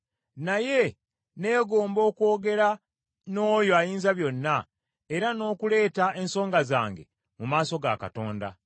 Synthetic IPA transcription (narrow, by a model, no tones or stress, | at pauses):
naje̞ | ne̞ːɡo̞ːmbo̞ːkwo̞ːɡe̞ɾa | no̞ːjo̞ajiːnzaβjo̞nːa | eɾano̞ːkule̞ːtaʔe̞nso̞ːŋɡazaːŋɡe̞̰ | mumaːso̞ɡa̰ka̰to̞ːnda̰